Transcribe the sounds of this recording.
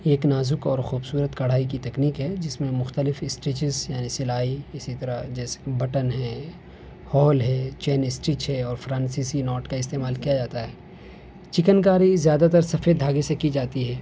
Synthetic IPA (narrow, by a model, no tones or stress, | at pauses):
eːknaːzʊkɔ̰ːɾxuːbsuːɾət̪kɐɽ̤aːikit̪ɐkniːkɦɛːd͡ʒɪsmẽmʊxt̪əlɪfɪsʈɾɪt͡ʃɪzjaːnisɪlaːiɪsit̪ɐɾad͡ʒɛːse̥bɐʈənɦɛ̃ː | hɔːlɦɛ̃ːt͡ʃɛːnɪsʈɾɪt͡ʃɦɛɔːɾfɾãːnsiːsinɔːʈkaɪst̪eːmaːlkijad͡ʒaːt̪aɦɛː | t͡ʃɪkənk̬aːɾizjaːd̪at̪̬ɐɾsɐfeːd̪ʱaːɡesekid͡ʒaːt̪iɦɛː